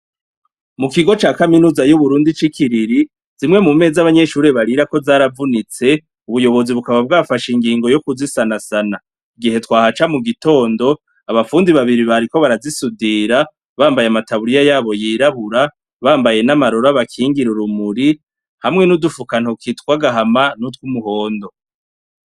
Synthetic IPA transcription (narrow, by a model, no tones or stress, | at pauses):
mukiɡo̞t͡ʃaːkaminuːzajuβuɾuːndit͡ʃikʰiɾiɾi | z̥imŋe̞mume̞zaβaɲe̞ʃuːɾe̞βaɾiɾako̞zaːɾavunit͡se̞ | uβujo̞βo̞ziβukaβab̚ɡafaʃiŋɡiːŋɡo̞jo̞kuzisanasana | iɡihe̞twaːhat͡ʃamuɡito̞ːndo̞ | aβafuːndiβaβiɾiβaɾiko̞βaɾazisudiːɾa | βaːmbajamataβuɾijajaːβo̞jiːɾaβuɾa | βaːmbaje̞namaɾo̞ɾaβakʰiːŋɡiɾuɾumuɾi | hamŋe̞nudufukan̥hokitwaɡaɦamanutwumuho̞ːndo̞